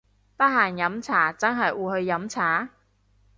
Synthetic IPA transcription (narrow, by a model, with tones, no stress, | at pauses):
pɐ˥t̚ɦaː˨˩njɐ˨˥mt͡sʰaː˨˩t͡sɐ˥nɦɐ˨jʔuː˨˧hɵ˧ɥjɐ˨˥mt͡sʰaː˨˥